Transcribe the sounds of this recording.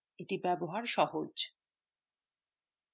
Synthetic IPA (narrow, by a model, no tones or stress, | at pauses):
eʈibɛboɦaɾʃɔɦod͡ʑ